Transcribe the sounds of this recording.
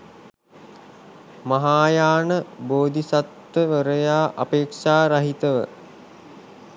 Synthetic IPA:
mɐɦaːjaːnəboːd̪isat̪ʋəʋəɾəjaːʔɐpeːkʂaːɾaɦit̪əʋə̰

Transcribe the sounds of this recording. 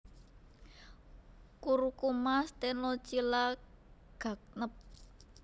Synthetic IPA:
kuɾukumast̪enɔt͡ʃilaɡ̥a̤k̚nəp̚

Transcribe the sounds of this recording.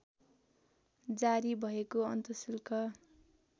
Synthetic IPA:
d͡zaɾibʱʌekoʌnt̪ʌsilkʌ

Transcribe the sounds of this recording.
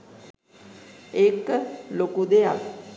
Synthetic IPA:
ekːəlokud̪ejak

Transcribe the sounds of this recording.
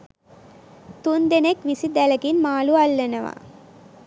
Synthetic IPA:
t̪und̪enekʋisid̪ɛlɐɡinmaːlualːɐnɐʋa̰

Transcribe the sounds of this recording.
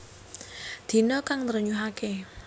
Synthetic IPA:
d̪̥i̤nɔkaŋt̪ərɲuɦake

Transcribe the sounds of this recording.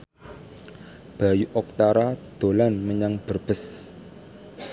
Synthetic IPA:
b̥a̤juʔɔk̚t̪aɾad̪̥o̤lanməɲaŋb̥ərb̥əs

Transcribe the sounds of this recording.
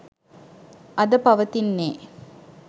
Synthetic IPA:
ɐd̪əpɐʋət̪inːeː

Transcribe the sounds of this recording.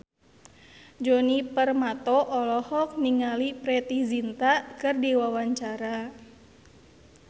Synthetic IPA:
d͡ʒɔnipərmat̪ɔʔɔlɔhɔk̚niŋalipɾɛt̪izint̪akɨrdiwawaɲt͡ʃaɾa

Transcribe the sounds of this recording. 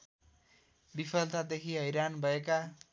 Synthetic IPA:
bipʰʌlt̪ad̪ekʰiɦʌjɾanbʱʌeka

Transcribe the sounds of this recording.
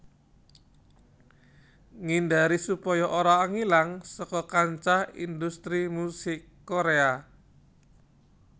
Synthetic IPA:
ŋindaɾisupɔjɔʔoɾaːŋilaŋsɔkɔkaɲt͡ʃahḭnd̪ust̪ɾimusɪkːoɾea

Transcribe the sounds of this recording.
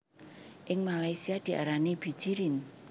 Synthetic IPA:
ʔɪŋmalajsiad̪̥i̤ʔa̰ɾaneb̥i̤d̥ʒ̥iɾɪn

